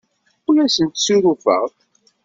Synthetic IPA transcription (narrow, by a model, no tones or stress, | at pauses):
ʊlæsənt̪suɾufə̰ʁ